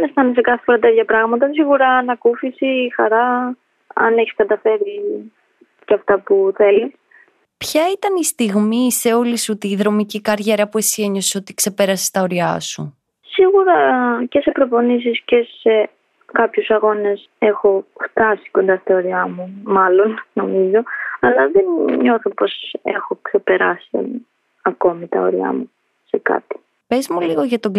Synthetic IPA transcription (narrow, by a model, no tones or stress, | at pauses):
nest̪ɐnes̬ekɐθefo̞ɾɐt̪eðçɐpɾɐɣmɐt̪ɐs̬iɣuɾɐːnɐkufisixɐɾɐ | ɐ̰neçi̥skɐt̪ɐfe̞ɾi | cɐft̪ɐpuθe̞lis | pçɐit̪ɐnist̪iɣmise̞o̞lisut̪iðɾo̞micikɐɾʝe̞ɾɐpue̞sie̞ɲo̞se̥ot̪ikse̞pe̞ɾɐse̥st̪ɐo̞ɾiɐ̰sṵ | siɣuɾɐce̞se̞pɾo̞po̞nis̬isce̞se̞ | kɐpçusɐɣo̞ne̞s | e̞xo̞ft̪ɐsi̥ko̞nd̪ɐst̪ɐo̞ɾiɐmumɐlo̞nno̞mizo̞ɐlɐðenɲo̞θopo̞se̞̰xo̞kse̞pe̞ɾɐ̰sḭ | ɐko̞mit̪ɐo̰ɾiɐ̰mu | se̞kɐ̰t̪i̥ | pe̞zmuliɣo̞ʝɐt̪oɡ